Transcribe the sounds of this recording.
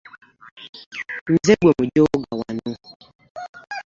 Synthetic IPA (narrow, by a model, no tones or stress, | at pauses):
n̩zeɡwemud͡ʒoɡawanu